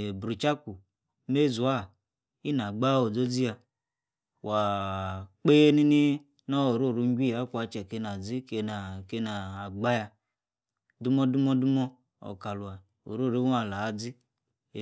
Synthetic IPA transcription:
bɾi˨t͡ʃa˦ku˨ | me˦˨zu˨a˦˨ | i˦na˨ɡ͡ba˦o˨d͡zo˦d͡zi˦a˧ | wʔa˨ | k͡pe˦e˦ni˦ni˦ | nɔ˦o˨ɾo˦˨ɾu˨˦ŋ˦ɡʲʷi˦˨a˨˦kʷa˨˦t͡ʃɛ˨ke˨˧˦na˨d͡zi˦ke˧na˨ke˦naː˨ɡ͡ba˦ja˧ | du˦mɔ˦du˦mɔ˦du˦mɔ˦ | ɔ̰˨ka˨lu˨a˨ | o̰˨ɾo˦˨ɾe˦wa˨la˨˦d͡zi˦˨

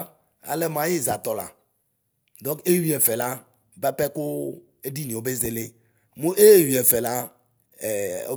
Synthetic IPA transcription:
a̰˨le˦mã˨je˦za˨t̪ɔ˨la̰˨ | d̪ɔ̃˦ke˦wi˨˦ɛ˨fɛ˨la˦ | bɛ˦pɛ˦ko˦ | e˦di˦nĩ˨o˦be˦ze˦le˦ | mũ˦ʔe˦wi˨ɛ˨fɛ˨la˦˨ | o˦

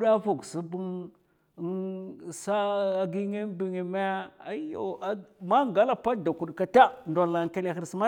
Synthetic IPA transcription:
ɗa˦fo˨ɡsi˦bu˦ŋ˦ | sa˦a˦ɡi˦ŋe˦m˦bi˨ŋe˨me˦a˦jo̰˨˦ma˦ŋɡa˦la˨pa˦da˨ku˨ɗka˨ta˦nda˨lːa˨ŋka˦le˦˨xə˦ɾsma˦

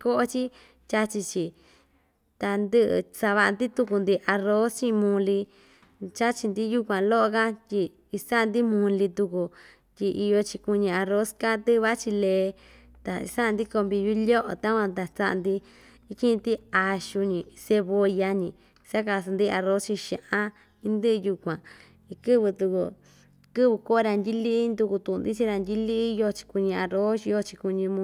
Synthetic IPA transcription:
ko˦ʔo˦t͡ʃi˦ | t͡ʃʲa˦t͡ʃi˧t͡ʃi˨ | t̪a˧nd̪ɨ˦ʔsa˧βa˧ʔa˧nd̪i˦t̪u˧ku˧nd̪i˧ʔa˧ro˦st͡ʃĩ˦˧mũ˧li˧ | t͡ʃa˦t͡ʃi˧nd̪i˦ju˦kʷã˨˧lo˦ʔo˧ka˦tʲi˧ | i˧sa˦˧nd̪i˦mũ˧li˧t̪u˧ku˧ | t̪ʲi˧ʔi˧jo˧t͡ʃi˧ku˧ɲĩ˧a˧ɾo˦ska˦t̪ɨ˦˧βa˦t͡ʃi˧le˧ | t̪a˨ḭ˧sa˦˧nd̪i˦ko˧mbi˧ju˦lʲo˦ʔo̰˨t̪a˦kʷã˧t̪a˨t͡sa˦ʔa̰˧nd̪i˧ | i˦kĩ˦˧t̪i˦a˧ʃu˧ɲĩ˨˧se˧βo˧ja˧ɲĩ˧ | sa˦ka˧s̬a˧nd̪i˦˧a˧ɾo˦t͡ʃi˧ʃã̰˧˨ʔã˦ | i˧nd̪ɨ˦ʔju˧kʷã˨ | i˧kɨ˦βɨ˧t̪u˧kṵ˧ | kɨ˦βɨ˧ko˦˧ɾa˧ndʲi˦li˦nd̪u˧ku˧t̪ũ˧˨˧nd̪i˦t͡ʃi˧ɾa˧nd̪ʲi˦li˦˧jo˧t͡ʃi̥˧ku˧ɲĩ˧a˧ɾo˦ʃi˧jo˧t͡ʃi˧ku˧ɲĩ˧mũ˧

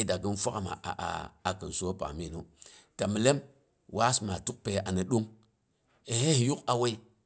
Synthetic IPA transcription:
da˨ɡi˦nfʷa˦ka˨ma̰˨ʔa̰˨ʔa̰˨a˨kə˨n˨so˦pa̰˨mi˦˨nu˦ta˨mi˨le˦m | wa˦sma˨tu˦k̚pe˨ʔa˨nə˨ɗu˦ŋ | e˨he˦hi˨ju˦ka˨we˦i˦

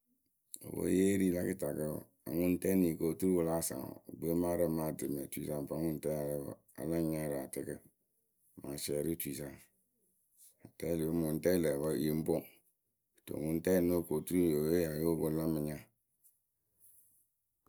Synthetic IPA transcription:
o̰˨bo̰˨˦je˦ɾi˦la˦ki˦ta˨kə˦˨ | a̰˨ŋu˦n˦tɛ˦ni˨ko˨tu˦ɾwo˨˦la˦sa̰˨o̰˨ɡ͡be˦ma˦ɾa˦ma˨dɨ˨me˨tu˦i˨sa˨m˨pa˨˦ŋu˦n˦tɛ˦a˨l̰ | a̰˨la˦ɲa˦ɾa˨tɪ˨kɨ˦˨ | ma˨sɛ˨ɾi˦tʷi˨sa˨ŋ | a˨tɛ˦li˨˦mu˨n˦tɛ˦lɛ˨ba˦˨˦i˨˦m̩˦bo˦ŋ˨ | to̰˨ŋu˦n˦tɛ˦˨no˦˨ko˨tu˦i˦˨jo˨we˦ja˨jo˦bo˦la˦mə˨ɲa˦

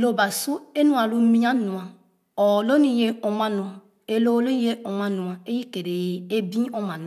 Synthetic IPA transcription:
lo˦˨ba˨su˦e˦nu˦a˨lu˦mi˦a˦nu˨a˨ | ɔ˨lo˦ni˦˨je˦ɔ˨ma˦nu˨a˨ | e˦lo˦lo˦ni˦e˦ɔ˨ma˦nu˨a˨e˦ji˦ke˨ɾe˨je˨e˦bi˦o˦ma˨n˨

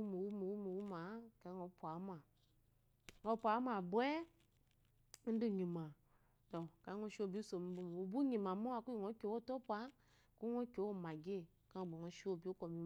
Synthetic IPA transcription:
u˦mu˨wu˦mu˨wu˦mu˨wu˦ma˨˦ka˨˦ŋɔ˨˦pu˨a˨˦ma˨ | ŋɔ˨˧˦pʷa˨˦m˦a˨bwɛ˦ | n̩˦du˦˨ɲi˨mã˨ | to˨ka˨˦ŋɔ˧˦ʃo˦˨bi˦so˨mi˨˦bu˦m˨wo˨bu˦ɲĩ˨mã˨mo˦a˦˨ku˦i˨ŋɔ˨˦kʲo˨˦wo˦˨tɔ˦pa˨˦ | ku˦ɔ˦kʲo˨˦wo˦˨ma˨ɡe˦˨ | ka˦˨bo˨ŋɔ˨˧˦ʃi˦o˦˨bi˦o˦kɔ˨mi˨˦˨

